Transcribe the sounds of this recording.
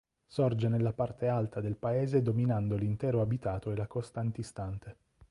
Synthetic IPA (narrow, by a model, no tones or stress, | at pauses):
sɔrd͡ʒenelːapart̪ealt̪ad̪elpaeːzed̪ominand̪olint̪ɛːɾoabit̪aːt̪oelakost̪ant̪ist̪ant̪e